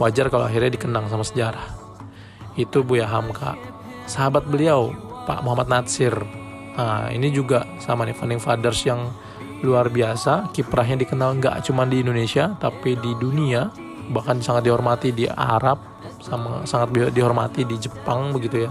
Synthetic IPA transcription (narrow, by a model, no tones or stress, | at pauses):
wad͡ʒarkaloaɦirɲadikənaŋsamasəd͡ʒaɾah | it̪ubujaɦamkʰa̰ʔ | səɦabat̪̚bəliawpa̰ʔmoɦamat̪̚nat̪sɪr | əḭnid͡ʒuɡaʔsamanifanɪŋfadərsjaŋ | luarbiasakipɾaɦɲadikənalŋɡa̰ʔt͡ʃumandiːndonesiat̪apididunia | bahkansaŋat̪̚diɦɔrmat̪idia̰ɾap̚samasaŋat̪̚bidiɦɔrma̰t̪idid͡ʒəpaŋbəɡit̪uja